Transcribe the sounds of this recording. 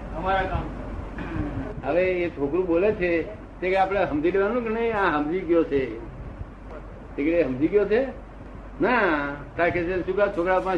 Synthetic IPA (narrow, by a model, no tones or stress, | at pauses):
əmaɾakamk | əʋeːt͡ʃʰokɾũɓolet͡ʃʰe | t̪ekeapɽ̃eɦəmd̪iɖeʋanũknəĩãɦəmd͡ʒiɡjot͡ʃʰe | t̪ekɽeɦəmd͡ʒiɡjot͡ʃʰe | naʈɾakesenʃũkat͡ʃʰokɾapã